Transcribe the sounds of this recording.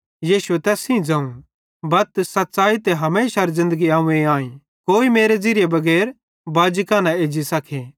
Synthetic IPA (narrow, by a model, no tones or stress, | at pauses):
jiːʃuet̪ɛːsĩd͡zãːũ | bɐt̪sɐt̪ːsaːit̪eɦɐmeːʃaɾzɪ̃nd̪əɡiaːũẽaːĩ | koːimeːɾed͡ziɾɪjebɐɡɛːɾ | baːd͡ʒɪkãːnãeːd͡ʒisɐkʰeː